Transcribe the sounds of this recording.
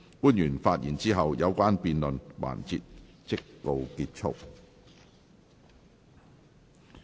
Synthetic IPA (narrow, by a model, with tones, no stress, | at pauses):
kuː˥njyː˨˩nfaː˧t̚jiː˨˩nt͡siː˥ɦɐ˨wjɐ˨˧wkʷaː˥npiː˨nlɵ˨nwa̰ː˨˩nt͡siː˧t̚ | t͡sɪ˥kːo˧wkiː˧t̚t͡ʃʰʊ̰˥k̚